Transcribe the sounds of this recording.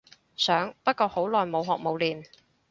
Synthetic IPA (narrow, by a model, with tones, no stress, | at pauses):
sœː˨˥ŋpɐ˥t̚kɔː˧ho˨˥wlɔː˨jmo˨˧wɦɔː˨k̚mo˨˧wliː˨n